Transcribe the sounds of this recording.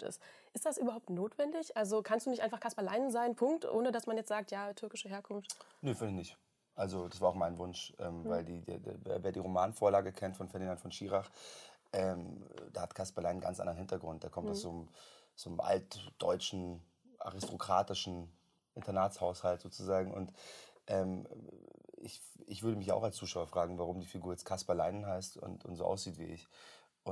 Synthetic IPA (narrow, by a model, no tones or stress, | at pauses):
tɪ̰stʔɪstd̥asʔyːbɐɦaʊptnoːtv̥ɛndɪçʔalzokʰanstd̥uːnɪçʔaɪnfaχkʰaspalaɪnzaɪnpʰʊŋk̚tʔo̰ːnədasmanjɛt͡stz̥aːk̚tjaːtʰʏɐkɪʃəɦeːɐkʰʊnftneːfɪɪçnɪçt | ʔalzod̥asv̥aːɐaʊxmaɪnvʊnʃʔɛ̰ːmvaɪldiːdḛd̰vḛːɐveːɐdiːʁomaːnfoːɐlaːɡəkʰɛntfɔnfɛɐdinantfɔnʃiːʁaχʔɛːmd̥aːhatkʰaspalaɪnənɡa̰nt͡sʔa̰ndʁɐnhɪntɐɡʁʊnt̚d̥eːɐkʰɔmtaʊsz̥oːnm | z̥oːnəmʔa̰lt̚d̥ɔʏt͡ʃn̩ | ʔa̰ʁɪstʰokʁ̥aːtɪʃn̩ | ʔɪntɐnaːtshaʊshaltz̥oːt͡suzaːɡŋ̩ʔʊ̰ntʔɛːm | ɪ̰çɪçv̥ʏɐɾəmɪça̰ʊxalst͡suːʃaʊɐfʁ̥aːɡŋ̩vaʁʊmdiːfiɡuːɐjɛt͡stkʰaspalaɪnənɦaɪstʊ̰ntʊ̰ntz̥oːʔa̰ʊsz̥iːtv̥ḭːɪ̰ç | ʔʊ